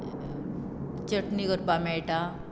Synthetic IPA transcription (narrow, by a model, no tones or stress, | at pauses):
t͡ɕəʈniɡəɾpamajʈa